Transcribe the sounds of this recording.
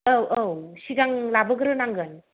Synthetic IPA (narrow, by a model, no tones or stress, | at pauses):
əwʔəwsiɡaŋlabəɡɾɯnaŋɡɯn